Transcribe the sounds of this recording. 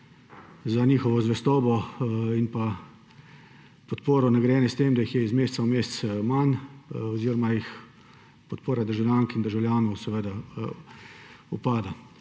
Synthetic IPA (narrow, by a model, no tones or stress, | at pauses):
zaniːxɔʋɔzʋɛst̪ɔːbɔinpa | pɔt̪poːɾɔnɛɡɾjɛːnjɛst̪eːmd̪ajixjɛizmeːst̪saumeːst̪smanɔziːɾɔmajix | pɔt̪̚poːɾad̪əɾʒawljaŋkind̪əɾʒawlʲjaːnɔwsɛʋed̪a | upaːd̪a